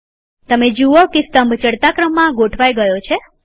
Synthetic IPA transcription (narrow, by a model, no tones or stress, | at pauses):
t̪əmed͡ʒuokest̪əmbʱt͡ʃəɽt̪akɾəmːãɡoʈʰʋajɡəjot͡ʃʰe